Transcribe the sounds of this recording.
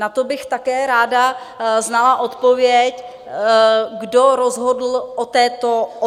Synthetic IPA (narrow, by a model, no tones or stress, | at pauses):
nat̪obɪxt̪akɛːɾaːda | znalaʔot̪povjɛc | ɡdoɾozɦodl̩ʔot̪ɛːt̪oʔ